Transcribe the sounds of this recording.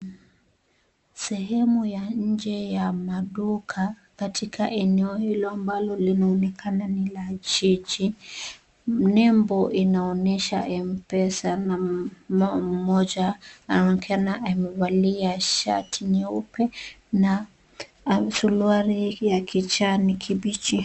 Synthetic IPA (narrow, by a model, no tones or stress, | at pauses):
sɛɦɛmujaɲ̩d͡ʒɛjamaɗukʰa | katʰikʰaʔɛnɛɔhilɔambalɔlinaɔnɛkʰananilad͡ʒid͡ʒi | nɛmbɔʔinaɔnɛʃaʔɛmpɛsanaɔm̩mɔd͡ʒaːnɔnɛkanaʔamɛvaliaʃa̰tʰiɲɛupɛ | na | suluaɾijakʰit͡ʃanikʰiɓit͡ʃi